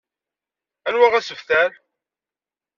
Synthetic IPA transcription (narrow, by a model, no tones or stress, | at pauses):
ænwæʁæsəfθæl